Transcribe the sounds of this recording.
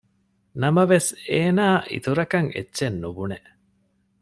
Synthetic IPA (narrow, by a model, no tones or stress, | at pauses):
nɐmɐʋeseːnaːʔḭt̪uɾɐkɐŋḛtːʃenːubune